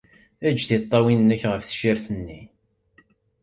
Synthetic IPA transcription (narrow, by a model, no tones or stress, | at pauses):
æd͡ʒːθit̪ˤːɑwinːəçʁəfθə̥ʃiɾθənːi